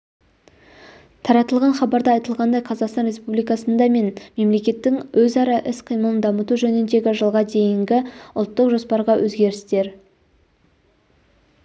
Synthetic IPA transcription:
t̪ʰɑɾɑt̪əlˠʁɑnχɑbɑɾd̪ɑɑjt̪əlˠʁɑnd̪ɑjqʰɑzɑqst̪ɑnɾʲe̞spublijkɑsənd̪ɑme̞nme̞mle̞kʲe̞t̪ːɪŋwɵzɑɾɑʔɪsqʰəjməlˠənd̪ɑmət̪uʒɵnɪnd̪e̞ɡʲɪʒəlˠʁɑd̪e̞jɪŋɡʲɪʊ̰lˠt̪ːəqʒo̞spɑɾʁɑwʔɵzɡʲe̞ɾɪst̪e̞ɾ

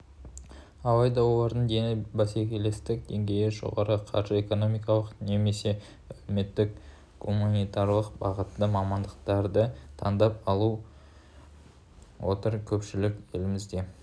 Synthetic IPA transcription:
ɑlˠɑjd̪ɑwolˠɑɾd̪ənd̪enɪbæsekʲele̞st̪ɪk̚d̪e̞ŋɡʲe̞jɪʒo̞̰ʁɑɾəqʰɑ̰ɾʒəe̞ko̞no̞mijkɑlˠəqne̞me̞se̞ | ælme̞t̪ːɪk | kʰumunijt̪ɑɾlˠəqbɑʁət̪ːəmɑmɑnd̪əqt̪ɑɾd̪ət̪ʰɑ̰nd̪ɑp̚ɑlˠu | wo̞̰t̪əɾkʲʰɵpʃɪlɪkʲe̞lɪmɪzd̪e̞

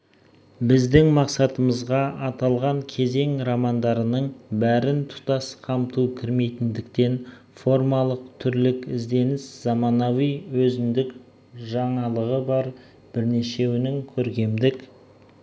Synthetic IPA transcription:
bɪzd̪ɪŋmɑqsɑt̪əməzʁɑʔɑt̪ɑlˠʁɑŋkʲʰe̞ze̞ŋɾɑmɑnd̪ɑɾənəɴbæɾɪnt̪ʰʊ̥t̪ɑsqʰɑmt̪ukʲʰɪɾme̞jt̪ɪnd̪ɪkt̪e̞n | fo̞rmɑlˠəq̚t̪ʰʏɾlɪkɪzd̪e̞nɪsz̥ɑmɑnɑwijwɵzɪnd̪ɪk | ʒɑɴɑlˠəʁəbɑɾ | b̥ɪɾne̞ʃe̞wɪnɪŋkʲʰɵɾkʲe̞md̪ɪk

